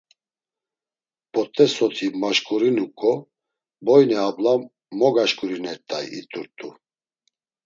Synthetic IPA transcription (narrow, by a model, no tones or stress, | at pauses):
pʼɔt̪ʼɛsɔt̪ʰimaʃkʼuɾinukʼɔ | bɔjnɛablam | mɔɡaʃkʼuɾinɛɾt̪ʼa̰jḭt̪ʼuɾt̪ʼu